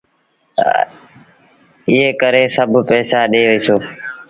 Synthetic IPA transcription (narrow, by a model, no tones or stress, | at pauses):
ɪɦeːkəɾeːsəbʱpeːsaːɗeːʋiːsoː